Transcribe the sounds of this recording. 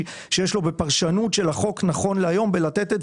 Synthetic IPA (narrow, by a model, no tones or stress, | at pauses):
ʃejeʃlo̞be̞paʁʃanutʃelaχo̞knaχo̞nleajo̞mbelat̪et̪e